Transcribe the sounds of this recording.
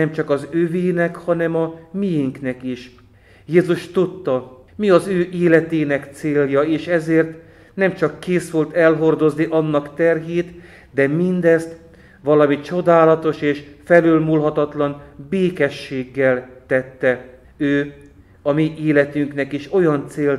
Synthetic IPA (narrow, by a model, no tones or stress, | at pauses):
ɛmt͡ʃɒkɒzøveːnɛkhɒnɛmɒmijiŋknɛkiʃ | jeːzuʃt̪ut̪ːɒ | miɒzøːʔeːlɛt̪eːnɛkt̪seːljɒeːʃɛzeːrt̪ | nɛmt͡ʃɒkːeːsʋolt̪ɛlɦo̞rd̪o̞zniʔɒnːɒkt̪ɛrɦeːt̪ | d̪ɛmind̪ɛst̪ | ʋɒlɒmit͡ʃo̞d̪aːlɒt̪o̞ʃeːʃfɛløːlmuːlɦɒt̪ɒt̪lɒnbeːkɛʃːeːɡːɛlt̪ɛt̪ːɛ | øː | ɒmiʔeːlɛt̪yŋknɛkiʃo̞jɒnt̪seːl